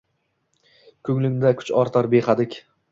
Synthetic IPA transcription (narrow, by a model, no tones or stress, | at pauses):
kʰɵŋlɪŋd̪akʰʊ̥t͡ʃɒɾt̪ʰɒɾbeχad̪ɪkʲ